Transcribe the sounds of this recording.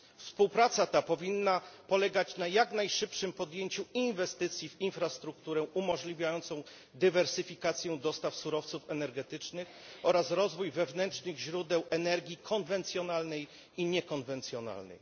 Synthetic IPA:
fspuwpɾat̪sat̪apɔvʲinːapɔlɛɡat͡ɕnajaknajʂɘpʂɘmpɔd̪jeɲt͡ɕuinvɛst̪ɘt̪sʲjivinfɾast̪ɾuk̚t̪uɾɛʔumɔʐlʲivʲjajɔnt̪sɔ̃w̃ | d̪ɘvɛɾsɘfʲikat̪sʲjɛ̃d̪ɔst̪afsuɾɔft̪sufɛnɛɾɡɛt̪ɘt͡ʂnɘx | ɔɾasɾɔzvujvɛvnɛntt͡ʂnɘɣʑɾud̪ɛwʔɛnɛɾɡʲikʰɔnvɛnt̪sʲjɔnalnɛj | iɲɛkɔnvɛnt̪sʲjɔna̰lnɛ̰j

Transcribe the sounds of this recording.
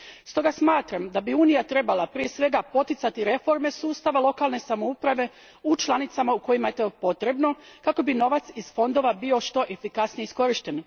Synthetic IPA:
st̪o̞ɡasmaːt̪ɾamd̪abiuːnijat̪ɾe̞balapɾie̞sʋe̞ɡapo̞t̪it̪sat̪iɾe̞fo̞ɾme̞suːst̪aʋalˠo̞kalˠne̞samo̞upɾaʋe̞ | ut͡ʃlˠanit̪samauko̞jimaet̪opo̞t̪ɾe̞bno̞kako̞bino̞ʋat̪sizfo̞nd̪o̞ʋabio̞ʃt̪o̞ʔe̞fikasnijeisko̞ɾiʃt̪e̞n

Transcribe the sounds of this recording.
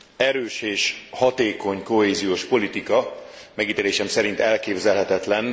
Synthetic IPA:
ɛɾøːʃeːʃhɒt̪eːko̞ɲko̞ɦeːzijoːʃpo̞lit̪ikɒ | mɛɡit̪eːleːʃɛmsɛɾint̪ɛlkeːbzɛlɦɛt̪ɛt̪lɛn

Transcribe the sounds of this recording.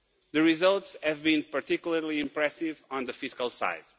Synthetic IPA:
ðɨɹizʌlˠtshɨvbĩnpəɾt̪ikjul̩ˠəɹliɪ̃mpɹɛsɪvɔ̃nðɨfɪskəlˠsa̰ɪd̪̥̚

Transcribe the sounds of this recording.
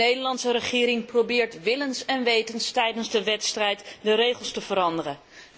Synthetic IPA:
ejdəlɑntsəɾəχɪːɾɪŋprowbɪːɹtʋɪlənsɛnʋejtənstɛjdənzdəʋɛtstrɛjtdəɾejχəlˠstəvəɾɑndərən

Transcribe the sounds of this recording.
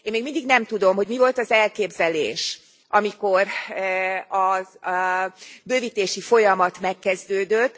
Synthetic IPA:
eːnmeːɡmind̪iɡnɛmt̪ud̪o̞mɦo̞ɟmivo̞lt̪ɒzɛlkeːbzɛlḛːʃ | ʔɒmiko̞r | ɒ | bøːviːt̪eːʃifo̞jɒmɒt̪mɛkːɛzd̪øːd̪øt̪ː

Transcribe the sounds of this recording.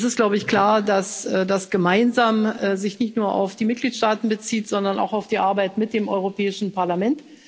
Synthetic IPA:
sɪstɡ̥laʊbəɪçkl̥aːɐdasːdasɡ̥əmaɪnzaːmːzɪçnɪçtnuːɐʔa̰ʊfd̥iːmɪt̚ɡ̥liːtʃtaːtn̩bət͡siːtz̥ɔndɐna̰ʊxaʊfd̥iːʔaɐbaɪtmɪt̚d̥eːmʔɔʏʁopʰɛːɪʃn̩pʰaɐlamɛnt

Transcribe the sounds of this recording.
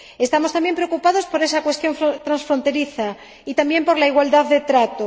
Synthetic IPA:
e̞st̪amo̞st̪ambje̞mpɾeokupaðo̞spo̞ɾe̞sakwe̞st̪jo̞ɱfot̪ɾansfɾo̞nt̪e̞ɾiθa | it̪ambje̞mpo̞ɾlaiɣwald̪aððe̞t̪ɾat̪o

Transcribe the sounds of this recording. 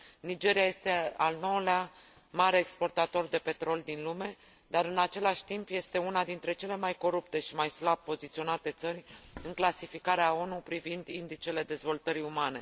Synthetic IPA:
nid͡ʒe̞ɾijaje̞st̪e̞alno̞ulea | maɾe̞ːkspo̞rt̪at̪o̞rd̪e̞pe̞t̪ɾo̞lʲd̪inlume̞ | d̪aɾɨnat͡ʃe̞laʃʲt̪impje̞st̪e̞unad̪int̪ɾe̞t͡ʃe̞le̞majko̞ɾupt̪e̞ʃimajslab̚pːo̞zit̪sio̞nat̪e̞t̪sərʲɨŋklasifikaɾeao̞nupɾivind̪ind̪it͡ʃe̞le̞d̪e̞zvo̞lt̪əɾiumane̞

